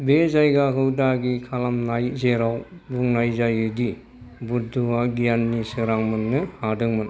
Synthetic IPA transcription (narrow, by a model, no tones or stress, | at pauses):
bezajɡakʰɯwdaɡikʰalamnajzeɾawbuŋnajzajɯdi | buduwaɡijanːisɯɾaŋmɯnːɯhadɯŋmɯn